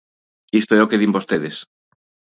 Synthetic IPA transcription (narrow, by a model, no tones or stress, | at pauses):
ist̪oɛokeðimbost̪eðes